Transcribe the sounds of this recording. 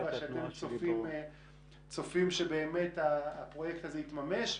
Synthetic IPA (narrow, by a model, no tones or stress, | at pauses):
aʃeatemt͡sofim | t͡sofimʃebe̞ːme̞taːpʁo̞jekt̪azeit̪mame̞ʃ